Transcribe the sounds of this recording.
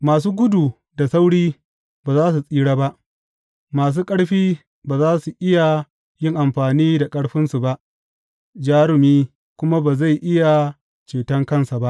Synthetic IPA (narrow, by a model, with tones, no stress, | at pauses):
maː˨s̬uː˦ɡʷʊ˦duː˨ | da˨sa˦wɽiː˦ | baː˨zaː˦s̬u˨sʼiː˦ɽaː˦ba˦ʔ | maː˨s̬uː˦kʼɐ˦ɽɸiː˦ | baː˨zaː˦su˨ʔɪ˦ja˨ | jɪ˦ŋʔa˨mɸaː˨niː˦da˨kʼɐ˦ɽɸɪ˦nsu˨ba˦ʔ | d͡ʒaː˦ɾɪ˨miː˦ | kʷʊ˦ma˦baː˨za˦˨jʔɪ˦ja˨ | t͡ʃeː˨tɐ˦ŋkɐ˦nsa˨ba˦ʔ